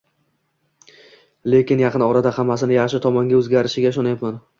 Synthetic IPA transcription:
le̞kʲɪnjɑqʰɨnɒɾad̪ahamːasɪnɪjɑχʃɪt̪ʰɒmɒŋɡʲaɵzɡʲaɾɪʃɪɡʲaʃ̬ɒnajat̪man

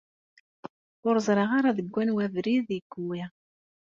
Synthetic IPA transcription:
ʊɾzˤɾˤɑʁaɾaðəɡʷːænwævɾiðiɡui

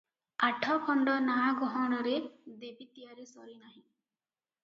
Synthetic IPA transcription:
aʈʰɔkʰɔɳɖɔnaaɡɔɦɔɽ̃ɔɾed̪ebit̪ijaɾesɔɾinaɦĩ

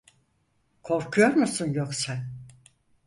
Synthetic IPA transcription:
kʰo̞ɾkʰujoɾmusɯnjoksa

